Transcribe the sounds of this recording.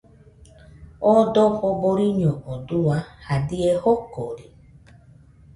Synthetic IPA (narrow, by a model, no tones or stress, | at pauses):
odoɸoboɾiɲɔ̃ʔoduahadiehokoɾi